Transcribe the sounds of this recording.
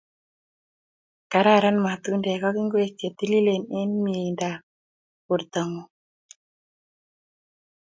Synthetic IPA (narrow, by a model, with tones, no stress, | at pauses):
ka˨ɾa˦˨ɾa˦nma˨t̪u˦ndɛ˨ka˦ki˦ŋɡwe˦te˨t̪i˦li˦le˨nɛ˦nmi˨e˨nda˨ | ku˨ɾt̪a˨ŋo˦